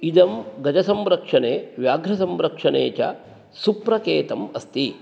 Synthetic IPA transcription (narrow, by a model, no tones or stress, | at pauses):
id̪ɐmɡɐd͡ʒɐsɐmɾɐkʂɐneːʋjaːɡɾɐsɐmɾɐkʂɐnḛːt͡ʃɐ̰ | supɾɐkeːt̪ɐmɐst̪i